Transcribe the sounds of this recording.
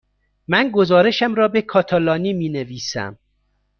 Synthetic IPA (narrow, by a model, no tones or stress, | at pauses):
mænɡozɒːɾe̞ʃæmɾɒːbekʰɒːt̪ʰɑlɒːniːmiːneviːsæ̰m